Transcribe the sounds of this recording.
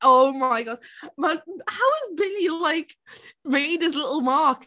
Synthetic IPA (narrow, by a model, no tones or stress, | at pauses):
ʔoʊmaɪɡɑʃmʌhaʊɨzbɪniɨlaɪkmeɪd̚ɨs̬lɪɾl̩ˠmɑk